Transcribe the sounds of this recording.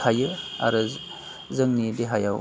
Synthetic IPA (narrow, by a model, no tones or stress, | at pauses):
hajɯa̰ɾɯ | zɯŋnideɦajaw